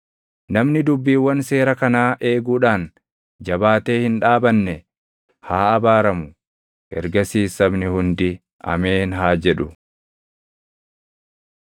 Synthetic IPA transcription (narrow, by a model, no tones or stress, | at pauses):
nɐmnɪd̪ʊbːiːwːɐnse̞ːɾɐkɐnaːʔe̞ːɡuːᶑaːn | d͡ʒɐbaːt̪e̞ːhɪnᶑaːbɐnːɛ | haːɐbaːɾɐmʊ | ʔɛ̰ɾɡɐsiːsːɐbnɪhʊnd̪ɪ | ɐ̰me̞ːnɦaːd͡ʒɛᶑʊ